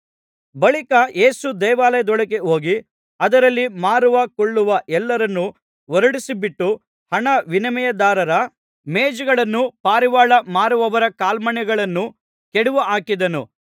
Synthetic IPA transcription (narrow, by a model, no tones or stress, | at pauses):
bɐɭikɐʔe̞ːsud̪ɛjʋaːlɐjɐd̪ɔɭɐkeɦo̞ːɡi | ɐd̪ɐɾɐlːimaːɾuʋɐkɔɭːuʋɐʔɛlːɐɾɐnːu | ʋɔɾuɽisibiʈːu | hɐɳɐʋinɐmɛjɐd̪aːɾɐɾɐ | meːd͡ʒɐɡɐɭɐnːupaːɾiʋaːɭɐmaːɾuʋɐʋɐɾɐkaːlmɐɳjɛɡɐɭɐnːu | kɛɽuʋuʔaːkid̪ɐnu